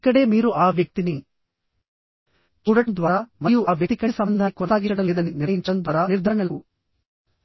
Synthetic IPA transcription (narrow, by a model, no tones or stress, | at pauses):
kɐɽeːmiːɾuʔaːʋjɐk̚t̪ini | uɽɐd̪ʋaːɾamɐjuaːʋjɐt̪ikɐsɐmɐnd̪ʱakɔt̪aːɡiɐɽɐld̪ɐninijiɲt͡ʃɐnbɐɾaniɾd̪ʱɐɐɳɐlu